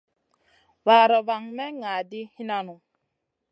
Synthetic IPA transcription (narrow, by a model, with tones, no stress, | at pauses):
va˨ɾɔ˨βa˨ŋmɛ˦ŋa˨di˦hi˦na˦nu˨